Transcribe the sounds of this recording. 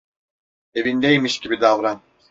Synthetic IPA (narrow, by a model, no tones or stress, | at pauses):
evind̪ejmiʃcibid̪avɾan